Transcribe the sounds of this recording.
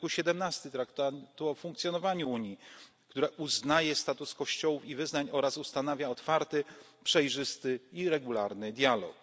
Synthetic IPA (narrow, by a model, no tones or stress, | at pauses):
kuɕɛd̪ɛmnast̪ɘt̪ɾakt̪at̪uɔfũŋkt̪sʲjɔnɔvaɲuuɲji | kt̪uɾɛʔuznajɛst̪at̪uskɔɕt͡ɕɔwufivɘznaɲɔɾasust̪anavʲjaɔt̪faɾt̪ɘ | pʂɛjʐɘst̪ɘiɾɛɡulaɾnɘd̪ʲjalɔ̰k